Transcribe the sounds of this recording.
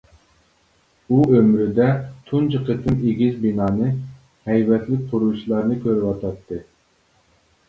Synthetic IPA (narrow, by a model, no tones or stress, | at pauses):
uømɾɪd̪ɛt̪ʰund͡ʒəqʰət̪ʰːɨneɡʲizbinɑːnɨ | hɛjvɛt̪lɪk̚ʲqʰʊɾut͡ʃʰilˠɑɾnɨkʲʰøɾɪwɑt̪ʰɑt̪ʰːɨ